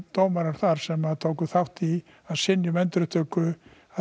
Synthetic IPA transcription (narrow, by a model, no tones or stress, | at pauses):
t̪oːwmaɾaɾ̥θaɾ̥sɛmaðt̪ʰowkʏθawht̪i | aðsɪnːjʏmɛnt̪ɾʏt̪ʰœːkʏ | a